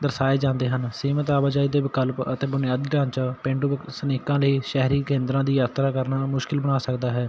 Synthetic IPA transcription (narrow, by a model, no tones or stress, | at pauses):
d̪əɾsaːeːd͡ʒãːnd̪eːɦənsiːmət̪aːbaːd͡ʒaːiːd̪eːbɪkəlpət̪eːbʊnɪjaːd̪ɡãːnt͡ʃapɪ̃ɳɖubəksəneːkãːləiːʃɛɦɾiːkẽːnd̪ɾãːd̪iːjaːt̪ɾaːkəɾnaːmʊʃkɪlbəɽaːsəkd̪aːɦɛː